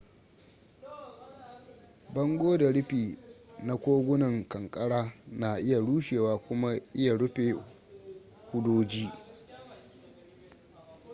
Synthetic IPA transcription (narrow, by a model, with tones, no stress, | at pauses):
bɐ˦ŋɡʷoː˦da˨ɽɪ˦ɸiː˨na˦kʷoː˦ɡʷʊ˦nɐ˨ŋkɐ˨ŋkʼɐ˦ɽaː˦na˨ʔɪ˦ja˨ɽuː˦ʃeː˨waː˨kʷʊ˦ma˦ʔɪ˦ja˨ɽʊ˦ɸeː˨ | hʷʊ˦doː˦d͡ʒiː˦